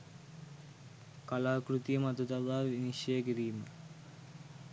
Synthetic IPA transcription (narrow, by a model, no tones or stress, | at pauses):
kalaːkrut̪ijəmɐd̪ut̪ɐʋaːʋiniʃjɐjəɡiɾiːmə